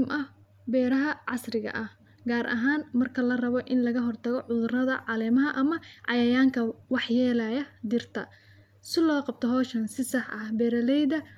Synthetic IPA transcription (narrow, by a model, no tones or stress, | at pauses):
mʔɐ | bɛːɾɐɦɐʕɑsrɪɣɐ̰ʔɐh | ɡaːɾʔɐ̰ɦaːnmɐrkʰɐlɐrɐβɔʔɪnlɐɣɐɦɔrt̪ʰɐɣɔʕʊðʊrɐðɐʕɑlɛːmɐɦɐʔɐmɐʕɑjɐjaːŋkʰɐwɑħjɛːlajɐd̪ɪrt̪ʰɐ̰ | sɪlɔːqɑb̚t̪ʰɔɦɔːʃɐnsɪsɑħʔɐhbɛːɾɐlɛjðɐ